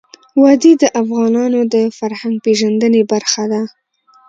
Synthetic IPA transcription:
wɑd̪id̪əʔafɣɑnɑnod̪əfaɾhaŋɡ̚peʒand̪ənebaɾxad̪a

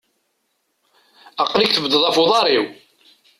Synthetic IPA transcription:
ɑqːlikθəvd̪əðˤɑfʊðˤɑɾiw

